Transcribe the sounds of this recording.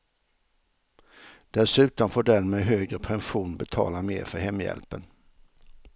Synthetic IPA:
d̪̥ɛsʉ̟ːt̪ɔnfoːɖɛnmeɦøːɡɾəpʰɛnɧuːnbɛt̪ʰɑ̰ːlamḛːɾfœɾhɛmːjɛ̰lpən

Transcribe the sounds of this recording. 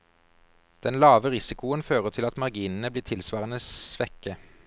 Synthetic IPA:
d̪̥ɛnlɑːʋəʁɪsɪkʊənføːʁət̪ʰɪlɑt̪mɑʁɡiːnn̩əbliːt̪ʰɪlsʋɑːʁənəsʋɛkə

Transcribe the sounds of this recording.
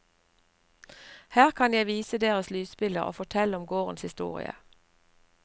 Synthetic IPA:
hæːʁkʰɑnjæɪʋiːsəd̪eːʁəslyːspɪləʁo̰ːfɔʈʰɛlʊmɡoːʁənshɪst̪ṵːʁɪ̰ə̰

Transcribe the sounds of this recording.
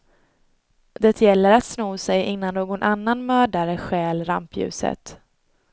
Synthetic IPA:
d̪̥ɛt̪ʰjɛlːəɾat̪snuːsɛjʔɪnːanːoːɡɔnʔanːanmœːɖaɾəɧɛːlɾa̰mpjʉ̟̰ːsə̰t̪

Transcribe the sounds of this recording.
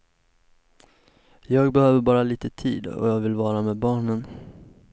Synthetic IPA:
jɑːɡbɛhøːvəɾbɑːɾaliːt̪ət̪ʰḭːd̪ɔ̰jɑːɡvɪlvɑːɾameːd̪̚bɑːɳən

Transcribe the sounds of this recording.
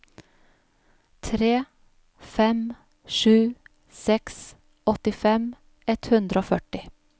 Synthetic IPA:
t̪ʰɾeː | fɛm | ʃʉː | sɛks | ɔt̪ɪfɛm | ɛt̪hʉnd̪ɾəoːfœʈɪ

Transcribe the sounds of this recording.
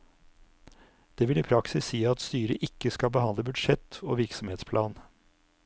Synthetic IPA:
d̪̥eːʋɪliːpʰɾɑksɪsiːɑt̪st̪yːɾəʔɪkːəskɑlbəhɑnd̪ləbʉd̪ʂɛt̪o̰ːʋɪɾksɔmeːt̪spʰlɑːn

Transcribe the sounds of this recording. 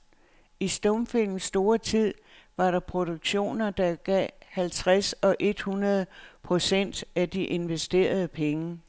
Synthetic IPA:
isd̥ɔmfil̰mn̩sːd̥o̝ːɐt͡sʰið̰ˠ | ʋɑ̈ɾɑ̈pʰʁo̝d̥o̝ɡ̥ɕo̝̰ːnɐd̥ɑ̈ɡ̥ɛ̰hælt͡sʰʁasɒ̽ʔe̝d̥hunɐð̞̩ˠpʰʁo̝sen̰d̥æd̥iʔe̝nʋesd̥e̝̰ːɐð̞ˠəpʰeŋə

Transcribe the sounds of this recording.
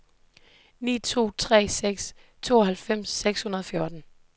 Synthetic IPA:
nḭːt͡sʰo̝̰ːt͡sʰʁɛ̰ːseɡ̥st͡sʰo̝̰ːɒɦælfem̰sːeɡ̥shunɐð̞ˠɒfjɔɐd̥n̩

